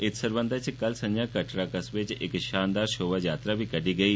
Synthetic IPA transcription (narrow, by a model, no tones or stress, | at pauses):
et̪səɾʋənd̪ʱat͡ɕikəlsənjakəʈɾakəsʋet͡ɕʔekɕand̪aɾɕoʋəjat̪ɾabʱiːkəɽiːɡəiː